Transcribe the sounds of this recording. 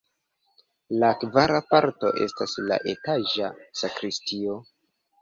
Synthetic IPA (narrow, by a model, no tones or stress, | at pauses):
lakvaɾapaɾto̞̰ʔe̞̰stasla̰ʔe̞taʒasakɾistio̞